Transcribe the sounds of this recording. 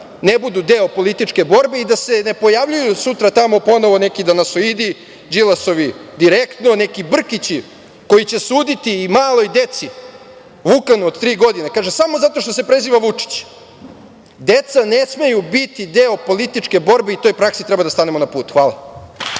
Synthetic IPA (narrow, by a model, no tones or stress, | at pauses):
nebud̪ud̪eopo̞lit̪it͡ʂke̞bo̞ɾbeid̪ase̞ne̞po̞jaʋʎujusut̪ɾat̪amo̞po̞noʋonekid̪anasoid̪i | d͡ʒilaso̞ʋid̪iɾekt̪no̞nekibr̩kit͡ɕi | ko̞jit͡ɕe̞suːd̪it̪iːmaːlo̞jd̪e̞t̪si | ʋukanuod̪t̪ɾiːɡo̞d̪inekaːʒesamozat̪o̞ʃ̬t̪os̬e̞pɾe̞ziːʋaʋut͡ʂi̥t͡ɕ | d̪et̪sanesmejubit̪id̪eopo̞lit̪it͡ʂke̞bo̞ɾbeit̪o̞jpɾaksit̪ɾɛbad̪ast̪anemonapuːt̪xʋaːlˠa̰